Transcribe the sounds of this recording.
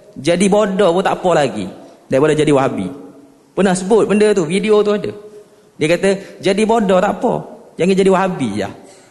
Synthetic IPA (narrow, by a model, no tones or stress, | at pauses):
d͡ʒadibodɔput̪aʔpɔlaɡḭdaibɔdɔd͡ʒadiwaɦabḭ | pərnahsəbʊt̪̚bəndət̪ufideot̪uadə̰ | diəkat̪əd͡ʒadibodɔt̪aʔpɔ̰d͡ʒaŋɪt̪̚d͡ʒadiwaɦabija̰h